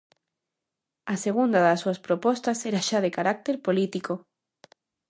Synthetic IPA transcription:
aseɣund̪aðasːuɐspɾopɔst̪aseɾaʃaðekaɾak̚t̪eɾpolit̪iko

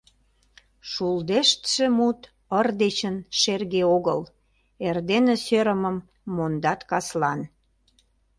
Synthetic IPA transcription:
ʃuld̪eʃt̪ʃemut̪ | ərd̪et͡ɕənʃerɣeoɣə̰l | erd̪enĕsøɾəməmː | ond̪ɑt̪kɑslɑn

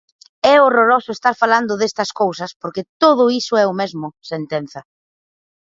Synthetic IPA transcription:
ɛoroɾosʊest̪aɾfaland̪ʊðest̪ɐskowsɐspoɾkɪt̪oðʊisʊɛʊmezmʊsent̪en̟θɐ

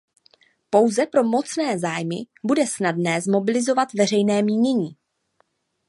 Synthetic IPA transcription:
po̞wzɛpɾo̞mo̞t͡snɛːzaːjmɪ̰ | budɛsnadnɛːzmo̞bɪlɪzo̞vat̪vɛrɛjnɛːmiːɲɛɲiː

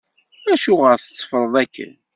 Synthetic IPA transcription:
æʃʊʁəɾθə̥t͡sːfəɾˤðˤækːə̰n

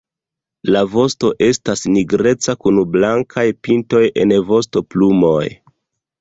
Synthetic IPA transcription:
lavo̞sto̞ʔe̞stasniɡɾe̞t͡sakunblaŋkʰajpinto̞jʔe̞̰nvo̞sto̞plumo̞j

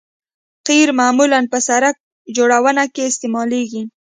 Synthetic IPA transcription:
qiɾmamulanpəsaɾak̚ | d͡ʒoɽawənakeɪst̪emɑleɡi

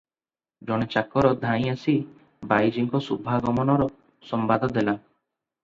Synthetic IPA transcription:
d͡ʒɔɽ̃et͡ʃakɔɾɔd̪ʱãĩasi | bajd͡ʒiŋkɔsubʱaɡɔmɔnɔɾɔ | sɔmbad̪ʱɔd̪ela

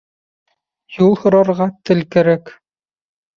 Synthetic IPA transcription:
julˠhŏɾɑɾʁɑt̪ɘ̆lkɘ̆ɾæk

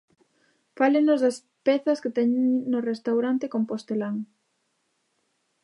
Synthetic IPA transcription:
faleŋnʊzðɐs | pɛθɐsket̪ɛɲeŋnʊrest̪awɾant̪ekompost̪elaŋ

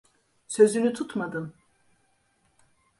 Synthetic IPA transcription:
søzynyt̪ʰut̪ʰmad̪ɯm

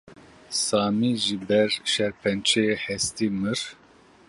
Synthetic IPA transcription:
sɑːmiːʒɨbɛɾʃɛɾpʰɛnt͡ʃʰehɛst̪imɨɾ

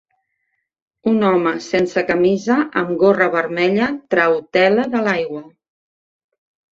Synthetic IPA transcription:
unɔməsensəkəmizəʔəmɡorəβəɾmɛʎət̪ɾəwt̪ɛləðəlajɣwə

